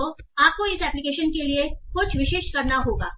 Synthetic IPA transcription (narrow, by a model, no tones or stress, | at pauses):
oaːp̚koɪsɛːplɪkeːʃənkeliexʊt͡ʃʰʋɪʃeːʃkɐɾnaɦoːɡa̰ː